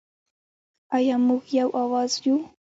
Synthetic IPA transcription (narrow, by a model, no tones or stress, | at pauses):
ajamoχjawʔawasjʊ